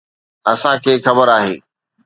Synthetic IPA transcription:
ɐsãkʰeːxɐbəɾaːɦḛː

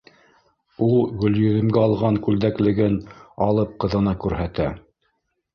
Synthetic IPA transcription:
ulˠɡɵ̆ljɵ̆ðɘ̆mɡæɑlˠʁɑŋkʉld̪æklɘ̆ɡɘnɑlˠɤp̚qɤ̆ðɤ̆nɑkʉɾɦæt̪æ

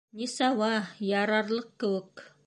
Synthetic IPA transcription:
nisawɑjɑɾɑɾlˠɤq̚kɘ̆wɘk

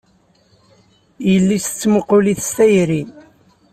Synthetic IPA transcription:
jəlːist͡sːməqːʊliθə̥st̪æjɾin

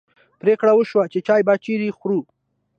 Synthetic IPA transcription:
pɾekɽawəʃwat͡ʃet͡ʃɑjbɑt͡ʃiɾixɾu

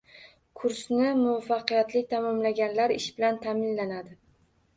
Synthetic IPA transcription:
kʰʊɾsnɪmʊvafːɑqʰɨjat̪lɪk̚ʲt̪ʰamɒmlaɡʲanlaɾɪ̰ʃbɪlant̪ʰamɪnlanad̪ɪ

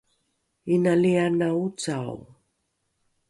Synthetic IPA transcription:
inalianaut͡saw

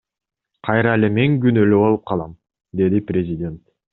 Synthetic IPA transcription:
qʰɑjɾɑeleme̞ŋɡynøløβolˠup̚qʰɑlˠɑm | d̪e̞d̪iprʲezʲɪdʲe̞nt̪

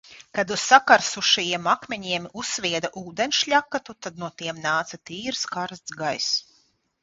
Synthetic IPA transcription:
kad̪usːakaɾsuʃajiɛmakmʲɛɲiɛmusvʲiɛd̪aʔuːd̪ɛnʃʎʲakːat̪ut̪ad̪̚nuɔt̪iɛmnaːt̪sat̪iːɾskaɾst̪sɡajs

